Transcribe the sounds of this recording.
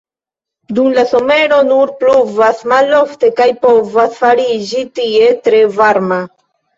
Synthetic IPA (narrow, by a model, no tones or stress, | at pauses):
dumlaso̞me̞ɾo̞nuɾpluvasmalo̞fte̞kajpo̞vasfaɾid͡ʒitie̞tɾe̞vaɾma